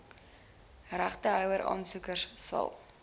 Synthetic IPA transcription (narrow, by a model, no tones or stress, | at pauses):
ræχtəɦœwəɾʔɑ̰ːnsukərssɐ̰lˠ